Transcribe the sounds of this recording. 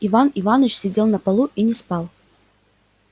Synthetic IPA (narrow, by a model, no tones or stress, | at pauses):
ivanivanət͡ɕsʲɪdʲe̞lˠnɐpɐlˠuʔinʲɪspalˠ